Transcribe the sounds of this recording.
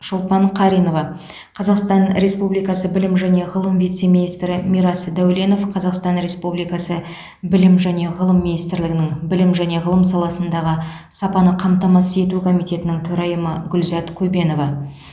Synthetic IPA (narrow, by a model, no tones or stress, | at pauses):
ʃʊlˠpɑɴqʰɑɾijno̞vɑ | qʰɑzɑqst̪ɑnɾe̞spublijkɑsəbɪlɪmʒæne̞ʁəlˠəmvijt̪se̞minijst̪ɾɪmiɾɑsd̪æwle̞no̞fqʰɑzɑqst̪ɑnɾe̞spublijkɑsə | bɪlɪmʒæne̞ʁəlˠəmːinijst̪ɾlɪɡʲɪnɪŋbɪlɪmʒæne̞ʁəlˠəmsɑlˠɑsənd̪ɑʁə | sɑpɑnəqʰɑmt̪ɑmɑsəe̞t̪ukʰo̞mijt̪e̞t̪ɪnɪŋt̪ʰɵɾɑjəməɡʲʏlzɑt̪kʲʰɵbe̞no̞vɑ